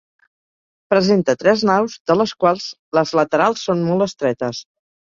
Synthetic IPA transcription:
pɾəzent̪ət̪ɾɛznawzðələskwalˠz | ləzlət̪əɾalˠsːonmɔlˠt̪əst̪ɾɛt̪əs

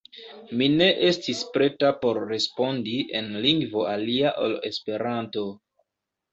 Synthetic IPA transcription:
mine̞ʔe̞stispɾe̞tapo̞ɾːe̞spo̞ndie̞̰nliŋɡvo̞aliaʔo̰le̞̰spe̞ɾanto̞

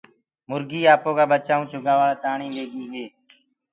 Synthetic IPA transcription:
mʊɾɡiːaːpoːkaːɓət͡ʃaːũːt͡ʃʊɡaːʋaːlaːt̪aːɳĩːleːɡiːɦeː

